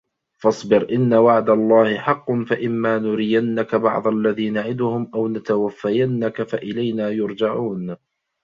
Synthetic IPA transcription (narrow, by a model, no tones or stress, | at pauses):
fɑsˤbɪɾʔɪnːawaʕd̪alˤːɑːhɪħɑqːʊnfaʔɪmːaːnʊɾɪjanːakabɑ̰ʕd̪ˤalːaðiːnaʕɪd̪ʊhʊmʔawnat̪awafːajanːakafaʔɪlajnaːjʊɾd͡ʒaʕuːn